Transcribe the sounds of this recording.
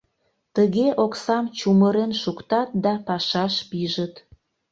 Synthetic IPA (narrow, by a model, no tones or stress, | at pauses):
t̪əɣeʔoksɑmt͡ɕuməɾenʃukt̪ɑt̪̚d̪ɑpɑʃɑʃpiʒət̪